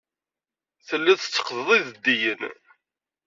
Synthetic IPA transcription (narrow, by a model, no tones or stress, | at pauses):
θəlːæθə̥t͡sːə̥qðəðˤiðəd̪ːijən